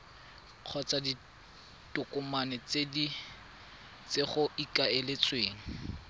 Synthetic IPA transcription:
q͡χʰɔt͡sʼadi | tʼʊkʼʊmanɪt͡sedi | t͡seχʊikʼaɪlet͡sʼweːŋ̩

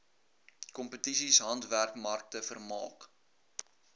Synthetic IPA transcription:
kɔmpətisisɦɐntværkmɐrk̚təfərmɑ̰ːk

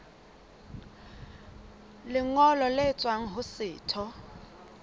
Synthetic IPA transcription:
lɪŋɔlɔlet͡sʼwaŋ̩ɦʊsɪːtʰɔ

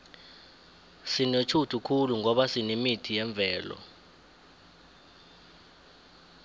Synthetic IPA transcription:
sinet͡ʃʰutʰukʰuluŋʱɔɓasinimitʰijɛɱb̪vʱɛːlɔ̰

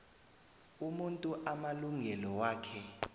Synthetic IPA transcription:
umuntʼuʔamaluŋɛlɔwaːkʰɛ

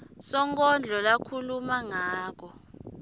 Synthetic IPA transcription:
sɔŋk̬ʼɔnd͡ɮʱɔlakʰulumaŋaːk̬ɔ

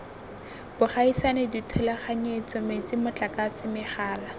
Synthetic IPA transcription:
b̥ʊχaisanɪditʰʊlaχaɲet͡sɔmet͡sɪmʊt͡ɬʼakasɪmɪχaːla

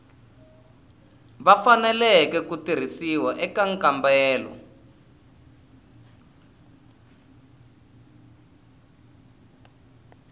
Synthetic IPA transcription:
βafanɛlɛkɛkutir̤isiwaʔɛkaŋkambɛːlɔ̰

